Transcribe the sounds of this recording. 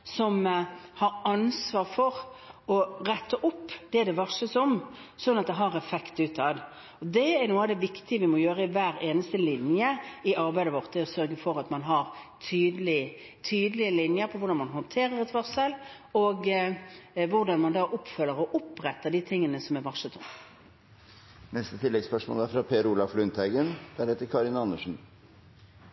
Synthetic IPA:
sɔmhɑɾɑnsʋɑːʁfɔɾɔɾɛt̪ʰːəʔʊpːd̪̥ɛd̪ɛʋɑʂəsɔmsɔnːɑt̪̚d̪ɛɦɑɾɛfɛkt̪ʉːt̪ʰɑd̪ | ɔd̪ɛæɾnuːəɑd̪ɛʋɪkt̪ɪəʋɪmɔjøːɾəɪʋæːɾeːnəst̪əlɪnjəɪʔɑɾbæɪd̪əʋɔʁt̪̚d̪ɛɔsœɾɡəfɔɾɑt̪mɑnɦɑɾt̪ʰyːd̪əlɪ | t̪ʰyːd̪əlɪəlɪnjəɾpʰɔʋʊʁɾɖɑnmɑnɦɔnt̪ʰeːɾəɾɛt̪ʋɑʁsəl | ɔɡ | ʋʊʁd̪ɑnmɑnd̪ɑːʔʊpːfœlːəɾɔʔʊpʁɛt̪ːəd̪iːt̪ʰɪŋːənəsɔmɛɾʋɑʂət̪ɔm | nɛst̪ət̪ʰɪlːɛɡspœʂmo̰ːlæɾfɾɑpʰeːɾuːlɑflʉnt̪æɪɡənd̪̥æɾhɛt̪ːəɾkʰɑɾɪnɑnːəʂn̩

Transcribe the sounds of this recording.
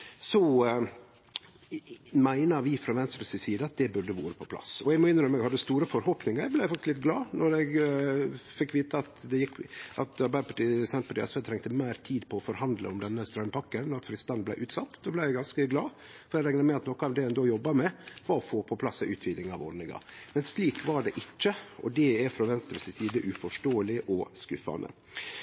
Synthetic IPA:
sɔ | mæɪnɑɾʋɪfɾɑʋɛnst̪ɾəsɪsiːd̪əɑt̪̚d̪ɛbʉɖəʋṵːɾəpʰɔpʰlɑ̰sɔɛɡmɔɪnəɾɔmɛɡhɑd̪ːəst̪uːɾəfɔɾhoːpnɪŋəɾblæɪfɑkt̪ɪslɪt̪ɡlɑːnɔɾɛɡ | fɪkːʋiːt̪əɑt̪d̪ɛjɪkːʔɑt̪ɑɾbæɪəpʰɑʈiːsɛnpʰɑʈ̪iːʔɛ̰sfeːt̪ʰɾɛŋt̪əmæɪɾt̪ʰiːd̪pʰɔːfɔɾhɑnd̪lə̰ɔmd̪ɛnːəst̪ɾœʏmpʰɑkːənɔɾɑt̪fɾɪst̪ɑnəblæ̰ɪʔʉːt̪sɑt̪ːd̪oːblæɪjæɪɡɑnskəɡlɑ̰ː | fɔɾɛɾæŋnəmɛɑt̪nɔkəɑʋd̪ɛɛnd̪oːjɔbːɑɾmɛʋɑɾɔfoːpʰɔpʰlɑsɛʔʉːt̪ʰʋiːd̪ɪŋɑ̰ʋɔ̰ɖnɪŋɑ̰mɛnsliːkʋɑɖɛʔɪt͡ʃːəʔɔ̰d̪ɛɛɾfɾɑʋɛnst̪əɾɛsɪsiːd̪əʔʉfɔʂʈoːəlɪʔɔskʉfɑ̰nə̰

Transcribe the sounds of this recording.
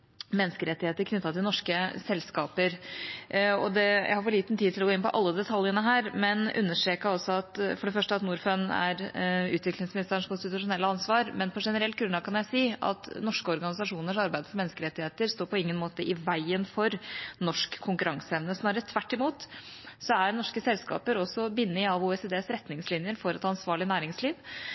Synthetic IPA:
mɛnːəskəɾɛt̪ːɪheːt̪əɾkʰnʏt̪ːɑt̪ʰɪlnɔʂkəsɛlːskɑːpəɾ | ɔd̪ɛjæ̰ɪhɑɾfɔɭiːt̪nt̪ʰiːɪlɔɡoːɪnpɔ̰ʔɑlːəd̪ɛt̪ʰɑljənəɦæːɾmɛnʉ̰nːəʂʈɾeːkəɾɔsɔɑt̪fɔɖɛfœʂʈəɑt̪nuːɾfœnæ̰ɾʉːt̪ʋɪklɪŋsmɪnɪst̪əɳʂkʰʊnst̪ɪt̪ʉʂʊnɛlːəɑnsʋɑːɾmɛnpʰɔʂɛnəɾɛlt̪ɡɾʉnlɑɡkʰɑnjæɪsiːɑ̰t̪nɔʂkəɔɾɡɑnɪsɑʂuːnəʂɑɾbæɪd̪fɔɾmɛnːskəɾɛt̪ːɪheːt̪əɾst̪oːɾpʰɔɪŋːənmoːt̪əʔɪʋæɪənfɔɾnɔʂkʰːʊŋkʉɾɑŋsəɛʋnəsnɑːɾət̪ʰʋæʈːɪmuːt̪ | sɔæɾnɔʂkəsɛlskɑ̰ːpəɾɔsːɔbɪnːɪɑʋuːɛseːd̪eːsɾɛt̪nɪŋslɪnjəɾfɔɾɛt̪ɑnsʋɑːɭɪnæːɾɪŋsliːʋ

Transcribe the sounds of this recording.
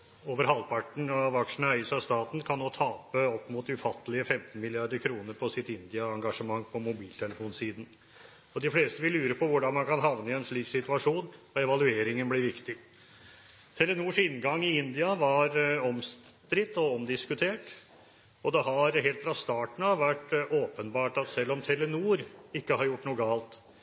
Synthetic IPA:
oːʋəɾɦɑlpʰɑʈɳ̩ɑʋɑkʂn̩əœʏsɑst̪ɑːt̪n̩kʰɑnːoːt̪ʰɑːpəɔpːmuːt̪ʉfɑt̪ːəlɪəfɛmt̪n̩mɪlɪɑɾd̪əɾkʰɾuːnəɾpʰɔsɪt̪ɪnd̪ɪɑɑŋɡɑʂəmɑŋːpʰɔmʊbiːlt̪ʰɛləfuːnsiːd̪n̩ | ɔd̪ɪfleːst̪əʋɪlːʉːɾəpʰɔʋʊɖɑnmɑnkʰɑnɦɑʋnəɛnʂɭiːksɪt̪ʉɑʂuːnɔɛʋɑlʉeːɾɪŋənblɪɾʋɪkt̪ɪ | t̪ʰɛlənuːʂɪnːɡɑŋːɪɪnd̪ɪɑʋɑɾɔmst̪ɾɪt̪ːɔɔmd̪ɪskʉt̪ʰeːʈ | ɔd̪ɛɦɑɾɦeːlt̪fɾɑst̪ɑːʈɳ̩ɑʋʋæʈoːpənbɑːʈɑt̪sɛlːɔmt̪ʰɛlːənuːɾɪkːəhɑɾjʊʈːnuːəɡɑːlt̪

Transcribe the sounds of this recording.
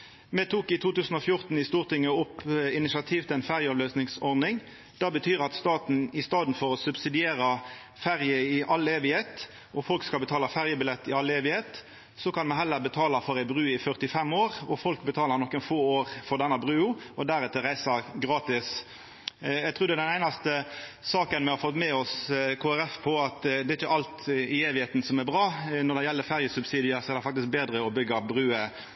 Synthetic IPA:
mɛt̪ʰuːkɪt̪ʰuːt̪ʉːsn̩ɔfjʊʁt̪n̩ɪst̪uːʁt̪ɪŋːəʊpːɪnɪsɑt̪ʰiːʋt̪ɪlæɪnfæʁjəɔʋløːsnɪŋsɔʁd̪nɪŋ | d̪̥ɑːbət̪ʰyːʁɑt̪st̪ɑːt̪n̩ɪst̪ɑːd̪n̩fɔʁɔsʉbsɪd̪ɪeːʁə | fæʁjəɪʔɑlːeːʋɪheːt̪ | ʔɔfɔlkskɑlbət̪ʰɑːləfæʁjəbɪlɛt̪ːɪɑlːeːʋɪheːt̪ | sɔkʰɑnmɛɦɛlːəʁbət̪ʰɑːləfɔʁæɪbʁʉːɪfœʁt̪ɪfɛmːoːʁɔfɔlkbət̪ʰɑːləɾnɔkːɛnfoːoːʁfɔɾd̪ɛnːɑbʁʉːʊɔd̪æɾɛt̪əɾæɪsəɾɡɾɑːt̪ɪs | jæɡt̪ʰɾʉːɾd̪ɛd̪ɛnæɪnɑst̪əsɑːkənmɛhɑɾfɔt̪ːmɛɔskʰoːæɾɛfpʰɔɑt̪d̪ɛːɪt͡ʃːəʔɑlt̪ɪeːʋɪheːt̪n̩sɔmæɾbʁɑːnɔɾd̪ɛjɛlːəɾfæʁjəsʉbsiːd̪ɪəɾsɔɛɾd̪ɛfɑk̚t̪ɪsk̚beːd̪ʁəɔbʏɡːɑbɾʉːə

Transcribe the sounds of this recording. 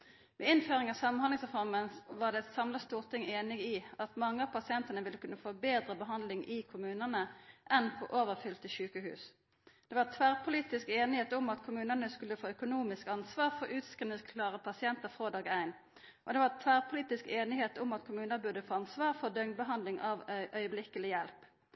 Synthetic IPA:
ʋɛːɪnføːʁɪŋɑʋsɑmɑnhɑnɪŋsʁɛfɔʁmənʋɑːʁd̪ɛt̪sɑmlɑst̪uːʁt̪ʰɪŋeːnɪɡɪɑt̪mɑŋːəɑʋpɑsɪɛnt̪ənəʋɪlːəkʰʉnːəfoːbeːd̪ʁəbəɦɑnd̪lɪŋʔɪkʰʊmʉːnənəʔɛnpʰo̰ːʔoːʋəʁfʏlt̪əʃʉːkəhʉ̰ːs | d̪̥ɛːʋɑʁt̪ʰʋæːʁpʰʊliːt̪ɪskeːnɪheːt̪ʊmɑt̪kʰʊmʉːnənəskʉlːəfoːœkʊnuːmɪskɑnsʋɑːʁfɔʁʉːt̪skʁɪnɪəskʰlɑːʁəpʰɑsɪɛnt̪əʁfʁoːd̪ɑːɡæɪn | ʔɔd̪ɛʋɑʁt̪ʰʋæːʁpʰʊliːt̪ɪskeːnɪheːt̪ʊmɑt̪kʰʊmʉːnəbʉd̪əfoːɑnsʋɑːʁfɔd̪œŋd̪̚bəɦɑnd̪lɪŋɑʋʔœʏəblɪkəlɪjɛlp

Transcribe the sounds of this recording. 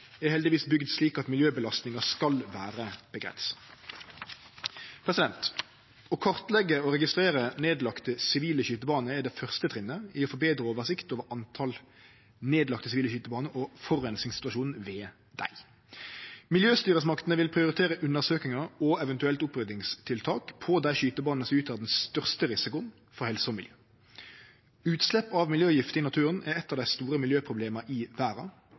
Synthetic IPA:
ɛhɛld̪ɪʋiːsbʏɡd̪sliːkɑt̪mɪljøːbəlɑst̪nɪŋɑskɑlʋæːɾəb̥əɡʁɛ̰nsə̥ | pʰʁɛsɪd̪ɛnt̪ | ɔkʰɔʁt̪lɛɡːəɔʁɛɡɪst̪ɾʁeːʁəneːd̪lɑkt̪əsɪʋiːləçyːt̪əbɑːnəɛd̪ɛfœʁst̪ət̪ʰʁɪnːəɪɔfɔbeːd̪ɾəoːʋəʁsɪkt̪oːʋəɾɑnt̪ʰɑl | neːd̪lɑkt̪əsɪʋiːləçyːt̪əbɑːnəʔɔfɔʁːɛnsɪŋsɪ̥t̪ʉɑʃuːn̩ʋeː | d̪̥æ̰ɪ | mɪljøːst̪yːʁəsmɑkt̪ənəʋɪlpʰʁɪʊɾɪt̪ʰeːɾəʔʉnːəʁsøːkɪŋɑɔɛʋɛnt̪ʉɛlt̪ʊpʁʏd̪ɪŋst̪ʰɪlt̪ʰɑːkpʰɔd̪æɪʃyːt̪əbɑːnnəsʉːt̪ʰɑd̪ɛnst̪œʁst̪əʁɪsɪkʊ | fɔʁhɛlsəɔmɪljøː | ʉːt̪slɛpːɑʋmɪljøːjɪft̪əɪnɑt̪ʰʉːʁənæɾɛt̪ːɑʋd̪æɪst̪uːɾəmɪljøːpʰʁʊbleːmɑʔɪʋæːɾɑ

